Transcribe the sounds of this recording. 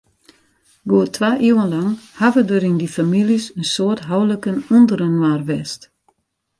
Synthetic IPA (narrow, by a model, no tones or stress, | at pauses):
ɡoətʰʋaːʔiwənlaŋhavədəɾindifamilisənsoərtɦawləkənundəɾənwaːrʋɛst